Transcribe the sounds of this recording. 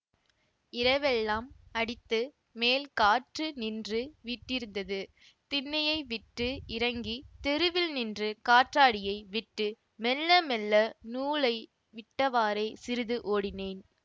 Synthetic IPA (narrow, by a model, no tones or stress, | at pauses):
ɪɾɐʋɛlːaːmɐɽɪt̪ːɯ | meːlkaːʈrɯnɪndrɯʋiːʈːɪɾɯnd̪ɐðɯ | t̪ɪnːɐjɐɪʋɪʈːɯɪɾɐŋɡit̪ɛɾɯʋɪlnɪndrɯkaːʈraːɽɪjɐɪʋɪʈːɯ | mɛlːɐmɛlːɐnuːɭɐɪ | ʋɪʈːɐʋaːɾɐɪsɪɾɯðɯʔoːɽɪneːn